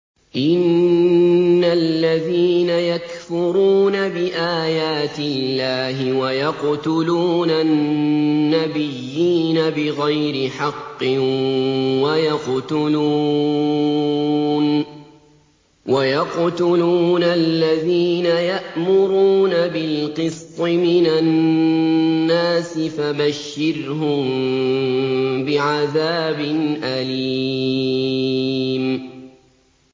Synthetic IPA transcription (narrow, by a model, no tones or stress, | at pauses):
ʔɪnː | alːaðiːnajakfʊɾuːnabɪʔaːjaːt̪ɪlːaːɦɪwajɑqt̪ʊluːnaː | abɪjːiːnabɪɣajɾɪħɑqːɪ | wajɑqt̪ʊlu | n | wajɑqt̪uluːnalːaðiːnajaʔmʊɾuːnabɪlqɨst̪ˤɨmɪnanː | aːsɪfabaʃːɪɾhʊm | bɪʕaðaːbɪnʔaliː | m